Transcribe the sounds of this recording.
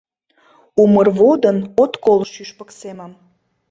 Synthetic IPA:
umərβod̪ənot̪kolʃyʃpəkseməm

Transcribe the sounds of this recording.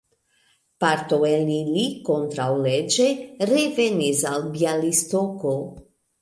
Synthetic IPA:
paɾt̪oelilikont̪ɾawled͡ʒeɾevenisalbialist̪oko

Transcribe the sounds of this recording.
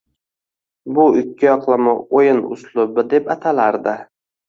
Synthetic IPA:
bʊɪkʲʰːɪjɒqlˠamɪojɪnʊ̰slˠʊbɪd̪e̞pat̪ʰalaɾd̪ɪ

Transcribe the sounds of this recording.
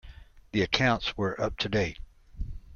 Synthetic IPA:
ðiɨkʰãʊ̃ntswə˞ʔʌp̚tʰɨdeɪt̚

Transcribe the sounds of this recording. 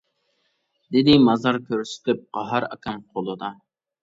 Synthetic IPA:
d̪ɪd̪ɪmɑzɑɾkʲʰøɾsɪ̥t̪ʰɪp̚qɑɦɑɾɑ̰kʰʲɛmqʰolˠɨd̪ɑ

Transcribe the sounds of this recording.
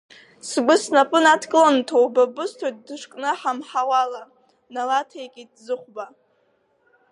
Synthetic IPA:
sɡʷʊsnapʼɨnatʰkʼɨlantʰowbabɨstʰot̚dɨʂkʼnɨħamħawala | nalatʰejkʲʼidzɨχʷba

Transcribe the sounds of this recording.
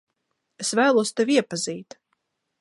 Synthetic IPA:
esvæːlˠuɔst̪eviɛpaziːt̪

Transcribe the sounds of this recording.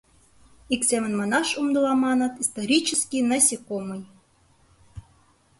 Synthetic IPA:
iksʲemɘ̆nmɑnɑʃumd̪ɤlˠɑmɑnɤ̆t̪ist̪oɾʲit͡ɕə̆skʲinɑsʲikomɤj

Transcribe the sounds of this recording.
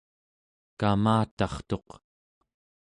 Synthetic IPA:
kamaːt̪ɑχt̪o̞q

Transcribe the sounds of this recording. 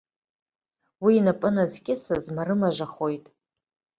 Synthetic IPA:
wiːnapʼɨnazɡʲʼɪsazmaɾɨmaʒʷaχo̞jtʼ

